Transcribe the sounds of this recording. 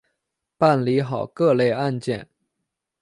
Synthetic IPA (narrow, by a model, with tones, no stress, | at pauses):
pa˥˩nli˧˥xɑ˨˩ʊkɤ˥˧le˥˧ɪa˥˧nt͡ɕjɛ˥˩n